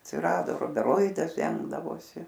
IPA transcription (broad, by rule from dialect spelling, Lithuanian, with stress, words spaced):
ɐtʲsʲɪˈrɑːdoː rʊbʲɛˈroːɪdɐs ˈdʲɛŋɡdɐʋoːsʲɪ